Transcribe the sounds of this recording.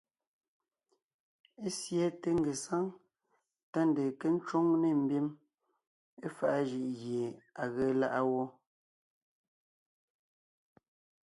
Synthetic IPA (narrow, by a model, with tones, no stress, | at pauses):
e˦sjɛ˨˦te˦ŋ˨ɡe˨sa˦ŋ | ta˦n˨de˨ke˦n̩˦t͡ʃo˦ŋne˦˨m̩˦˨bji˦m | e˦fa˨ʔa˦ʒi˨ʔɣje˨a˨ɣə˦la˦ʔa˦wɔ˦